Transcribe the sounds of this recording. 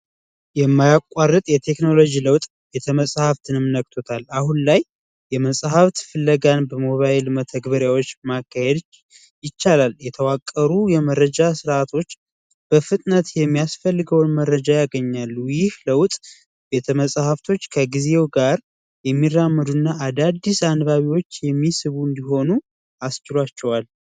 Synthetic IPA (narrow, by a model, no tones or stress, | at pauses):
jɛmːajakʷʼarːɨt̪ʼjɛt̪ʰe̞kno̞lo̞d͡ʒiləwt̪ʼ | bet̪ʰəməsʼhaft̪ʰɨnɨmnək̚t̪ʰot̪ʰalahunlaj | jɛməsʼhaft̪fɨlːəɡanbəmo̞βaelmət̪ʰəɡbəɾjawo̞t͡ʃːmakʰːahed̪ | jɪt͡ʃːalaljɛt̪ʰəwakʼːəɾujɛməɾəd͡ʒasɨɾʔat̪ʰo̞t͡ʃː | b̥əfɨt̪ʼnət̪jɛmːijasfəlːɨɡəwnməɾːəd͡ʒajaɡəɲːalːujɪhləwt̪ʼ | be̞t̪ʰəməsʼahəft̪ʰo̞t͡ʃːkʰəɡize̞wɡaɾ | jɛmːirːamːəd̪unːaʔːd̪ad̪ːisanβaβiwo̞t͡ʃːjɛmːisɨβuɨnd̪iɦo̞nu | ast͡ʃɪlwat͡ʃːɛwal